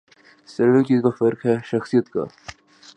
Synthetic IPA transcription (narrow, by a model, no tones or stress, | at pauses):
sɐɾʋet͡ʃiːzkafɐɾkɦɛʃɐxsijət̪ka̰ː